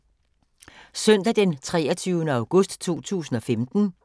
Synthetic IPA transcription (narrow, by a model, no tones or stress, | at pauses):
sœn̰d̥æd̥ent͡sʰʁɛ̰ːɐt͡sʰyːʊnəɑ̈ʊɡ̥ɔsd̥t͡sʰo̝̰ːt͡sʰṵːsn̩ɒ̽femd̥n̩